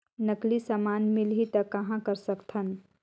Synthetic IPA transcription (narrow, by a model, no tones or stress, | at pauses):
nəklisamaːnmɪlɦit̪əkːɐɦãkəɾsəkt̪ʰən